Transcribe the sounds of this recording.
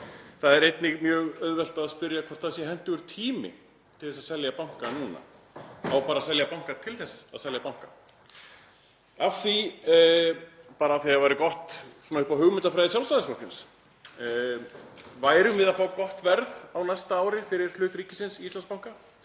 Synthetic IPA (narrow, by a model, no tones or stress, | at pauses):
θaðɛɾejt̪nɪɣmjœːɣœðvɛl̥t̪aːðspʏɾjakʰvɔr̥t̪θaðsjɛɦɛn̥t̪ʏɣʏɾ̥t̪ʰiːmɪ̰ | t̪ʰɪlθɛsaðsɛljapawŋ̥kanuːna̰ | awpaːɾasɛljapawŋ̥kat̪ʰɪlθɛsːa̰ðsɛljapawŋ̥ka | afθi | paːɾaːθiavajɾɪkɔht̪sɛmahʏpaɦʏɣmʏnt̪afɾajðɪs̬jawlst̪aðɪslɔksɪns | vaːjɾʏmvɪðafaːwkɔht̪vɛɾðawnajst̪aaːwɾɪfɪɾɪɾ̥l̥ʏːt̪ɾiːcɪ̥sɪnsiist̪lanspawŋ̥ka